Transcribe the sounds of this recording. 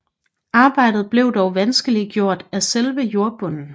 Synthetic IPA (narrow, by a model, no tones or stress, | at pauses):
ɑ̈ːb̥ɑ̈ɪ̰d̥ð̞̩ˠb̥le̝ʊd̥ɒʊʋænsɡ̥əliɡ̥jo̝ɐ̰d̥æselʋəjo̝ɐb̥ɔ̽n̰n̩